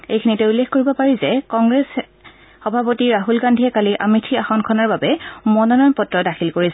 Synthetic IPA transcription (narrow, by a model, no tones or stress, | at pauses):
ejkʰinitɛulːexkoɹibɔpaɹizɛkɔŋɡɹɛs | xɔbʱapotiɹaɦulɡandʱiɛkaliʔa̰mitʰiaxɔnkʰɔnaɹbabɛmɔnɔnɔjnpɔtɹɔdaxʰilkoɹisɛ